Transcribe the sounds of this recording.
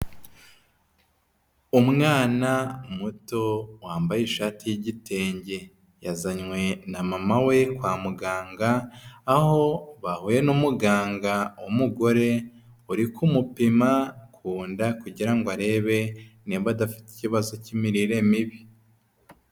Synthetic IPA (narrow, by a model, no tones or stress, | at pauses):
umŋaːnamuto̞waːmbajiʃaːtijiɟitʰe̞ːɲɟe̞ | jazaɲwe̞namamawe̞kwaːmuɡaːŋɡaː | ho̞βahuje̞numuɡaːŋɡaumuɡo̞ɾe̞ | uɾikumupimakʰuːndakuɟiɾaŋɡoaɾe̞ːβe̞niβadafi̥ti̥ciβazo̞cimiɾiɾe̞miβi